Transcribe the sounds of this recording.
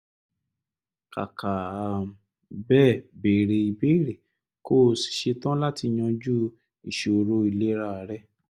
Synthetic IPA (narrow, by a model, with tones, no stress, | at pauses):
ka̰˨kʰa˨a˨m̩˨ | bɛː˦˨be˨ɾe˧i˧be˦i˦˨ɾe˨ | ko˦˨si̥˨ʃe˧tã˦la˦ti˧j̃ɔ̃˧d͡ʒu˦ | i˨ʃe˨o˨ɾo˧˦i˨le˦ɾa˦˧˨ɾɛ˦